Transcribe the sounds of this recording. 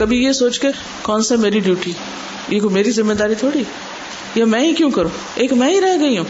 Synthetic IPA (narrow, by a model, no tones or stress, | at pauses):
kɐbʱijesoːt͡ʃke | kɔːnsemeːɾiɖjuːʈi | jeːkomeːɾizɪmːeːd̪aːɾit̪ʰoːɽi | jamɛ̃ːikjõːkɐɾõː | eːkmɛ̃ːɦiɾɛɦɡɐiɦũː